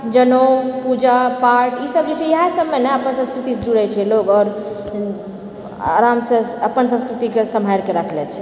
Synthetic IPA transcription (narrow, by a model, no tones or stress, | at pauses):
d͡ʒənopud͡ʒapaɾʈisəb̚d͡ʒet͡ʃʰɛjəɦasəbmeneəpənsə̃skɾut̪ised͡ʒuɽɛt͡ʃʰɛloɡɔːɾ | a̰ɾamseəpənsə̃skɾut̪ikesəmɦajɾkeɾəkʰlɛt͡ʃʰɛ